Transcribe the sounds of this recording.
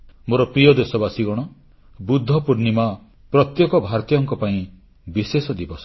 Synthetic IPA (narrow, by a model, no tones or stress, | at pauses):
moɾɔpɾijɔd̪esɔbasiɡɔɽ̃ɔ | bud̪ʱːɔpuɾnima | pɾɔt̪jɔkɔbʱaɾt̪ijɔŋkɔpaĩ | bisesɔd̪ibɔsɔ̥